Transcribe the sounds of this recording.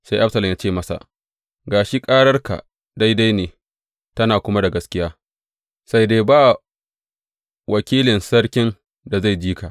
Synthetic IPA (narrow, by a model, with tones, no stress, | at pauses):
sa˦jʔa˦fsɐ˨lɐ˨jaː˦t͡ʃeː˦mɐ˦sa̰˨ʔ | ɡaː˨ʃi˦kʼaː˦ɽɐ˦rka̰˨ʔ | da˦jda˦jneː˨ | tɐ˦naː˨kʷʊ˦ma˦da˨ɡɐ˦skʲɪ˦jaː˦ | sa˦jdeː˦baː˦˨ | wʔɐ˨kʲiː˦lɪ˨nsɐ˦ɽkʲɪ˦n | da˨za˦˨jd͡ʒiː˦ka˨